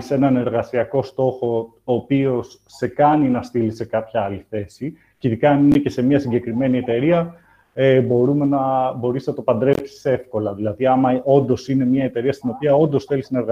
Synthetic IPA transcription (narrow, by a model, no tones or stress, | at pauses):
se̞nɐne̞ɾɣɐsiɐko̞st̪o̞xo̞ | oːpio̞sːe̞kɐninɐst̪ilise̞kɐpçɐɐliθe̞si | ceiðikɐːnine̞ce̞se̞mɲɐsiɲɟe̞kɾime̞nie̞t̪e̞ɾiɐ | ebo̞ɾume̞nɐbo̞ɾisnɐt̪opɐnd̪ɾe̞psi̥se̞fko̞lɐðilɐðiɐmɐo̞nd̪o̞sine̞mɲɐet̪e̞ɾiɐst̪ino̞piɐo̞nd̪o̞sθe̞lisnɐe̞ɾɣɐ